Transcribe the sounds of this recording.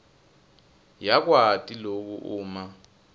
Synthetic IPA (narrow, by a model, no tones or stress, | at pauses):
jak̬watʼilok̬uʔuːma